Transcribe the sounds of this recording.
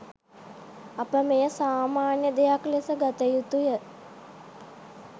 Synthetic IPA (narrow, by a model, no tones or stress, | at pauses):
apəmejəsaːmaːnjəd̪ejaklesəɡat̪əjut̪ujə